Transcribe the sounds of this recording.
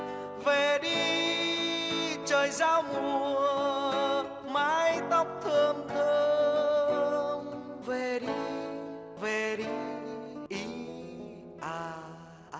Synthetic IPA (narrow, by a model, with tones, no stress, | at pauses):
ve˨˩ɗi˧˦ | t͡ɕəː˨˩jzaː˧˦wmu˨˧˩ə | maː˧˦jt̪ɔ˦˥wk͡p̚t̪ʰə˨˩əmt̪ə˧ | mve˨˩ɗi˧˦ | ve˨˩ɗi˧˦ʔi˧˦ | ʔaː˧˩